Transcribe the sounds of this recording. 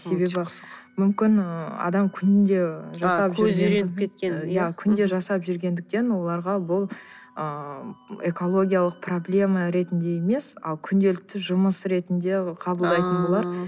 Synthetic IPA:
se̞be̞bɪ | mʏmkʲɪnəɑ̰d̪ɑmkʲʰʏnɪnd̪e̞ʒɑsɑʒʰeenʲʰet̪kʲejækʲʰʏnd̪e̞ʒɑsɑpʒʏɾɡʲe̞nd̪ɪk̚t̪e̞nwo̞lˠɑɾʁɑbʊlˠ | ə | e̞ko̞lˠo̞ɡʲijalˠəq̚pro̞blʲe̞mɑɾe̞t̪ɪnd̪e̞jeme̞sɑ̰lˠkʲʰʏnd̪e̞lɪk̚t̪ɪʒʊməsɾe̞t̪ɪnd̪e̞qʰɑbəlˠd̪ɑjt̪ənbolˠɑɾ

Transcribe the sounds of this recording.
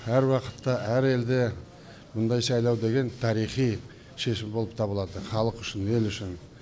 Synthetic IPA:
æɾwɑqə̥t̪ːɑæɾe̞ld̪e̞ | mʊnd̪ɑjsɑjlˠɑwd̪e̞ɡʲe̞nt̪ʰɑɾijχij | ʃe̞ʃɪmbo̞lˠəp̚t̪ʰɑβəlˠɑd̪əχɑlˠəqʏʃɪne̞lʏʃɪn

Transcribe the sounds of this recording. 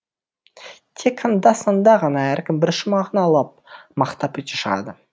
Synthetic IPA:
t̪ʰekːɑnd̪ɑsɑnd̪ɑʁɑnɑæɾkʲɪmbɪɾʃʊmɑʁənɑlˠɑp̚mɑqt̪ɑpʰɵt̪ʲeʃəʁɑ̰d̪ə

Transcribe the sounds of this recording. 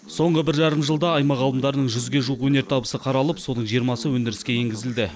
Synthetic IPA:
so̞ɴʁəbɪɾʒɑɾəmʒəlˠd̪ɑːjmɑʁɑlˠəmd̪ɑɾənəɴʒʏzɡʲe̞ʒuəqwɵne̞ɾt̪ʰɑbəsəqʰɑɾɑlˠəpso̞nəɴʒijəɾmɑsəwɵnd̪ɪɾɪskʲe̞jeŋɡʲɪzɪld̪ɪ

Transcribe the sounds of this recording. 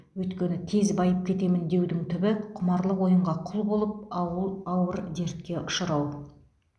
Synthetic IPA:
wɵjt̪kʲe̞nɪt̪ʰe̞zbɑjəp̚kʲʰe̞t̪e̞mɪnd̪e̞wd̪ɪŋt̪ʰʏbɪqʰʊmɑɾlˠəqwo̞jəɴʁɑqʰʊlˠbo̞lˠəp̪̚ˠɑwəɾd̪e̞ɾt̪̚kʲe̞ʔʊʃəɾɑw

